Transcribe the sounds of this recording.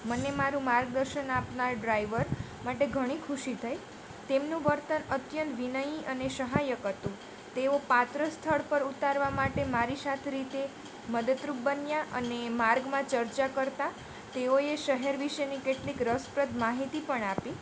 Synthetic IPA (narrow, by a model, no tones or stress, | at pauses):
mənemaɾũmaɾɡd̪əɾʃənapnaɾɖɾaiʋəɾ | maʈeɡʱəɽ̃ikʰuʃit̪ʰəj | t̪emnũʋəɾt̪ənət̪jənt̪ʋinəjiʔəneʃəɦajəkɦət̪ũ | t̪eopat̪ɾəst̪ʰəɭpəɾut̪aɾʋamaʈemaɾisat̪ʰeɾit̪e | məd̪ət̪ɾup̚bənjaʔə̰nemaɾɡmãt͡ʃəɾt͡ʃakəɾt̪a | t̪eoeʃəɦeɾʋiʃenikeʈlikɾəspɾət̪maɦit̪ipəɳapi